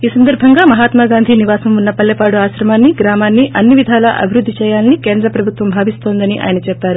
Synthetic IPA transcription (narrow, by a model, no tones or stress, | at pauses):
iːsɐnd̪ɐɾbʱɐŋɡaːmɐɦaːt̪maːɡaːnd̪ʱiniʋaːsɐmunːɐpɐlːepaːɽuaːʃɾɐmaːnːiɡɾaːmaːnːiʔɐnːiʋid̪ʱaːlɐʔɐ̰bʱiɾud̪ʱːit͡ʃɛːjaːlɐnike̞ːnd̪ɾɐpɾɐbʱut̪ʋɐmbʱaːʋist̪o̞ːnd̪ɐniʔa̰ːjɐnɐt͡ʃɛpːaːɾu